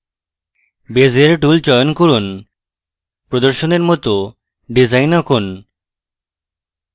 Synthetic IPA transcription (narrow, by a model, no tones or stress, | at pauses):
bed͡ʑeɾʈult͡ɕɔjonkoɾun | pɾod̪oɾʃoneɾmɔt̪o | ɖizajnakon